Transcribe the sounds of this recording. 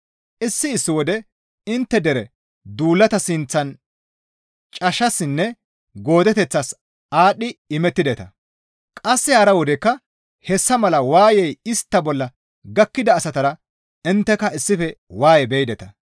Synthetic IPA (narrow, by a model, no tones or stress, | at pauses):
ʔɪsːɪːsːɪwɔd̪ɛ | ɪnt̪ːɛd̪ɛɾɛ | d̪uːlːɐt̪ɐsɪnt͡sːɐn | t͡ʃʼɐʃɐsːɪnːɛ | ɡo̞ːd̪ɛt̪ɛt͡sːɐs | aːɗɪɪmɛt̪ːɪd̪ɛt̪ɐ | kʼɐsːɪhaːɾɐwɔd̪ɛkːɐ | hɛsːɐmɐlɐwaːjɛjɪst̪ːɐbɔlːɐ | ɡɐkːɪd̪ɐːsɐt̪ɐɾɐ | ɪnt̪ːɛkɐɪsːɪfɛwaːjɛbɛjd̪ɛt̪ɐ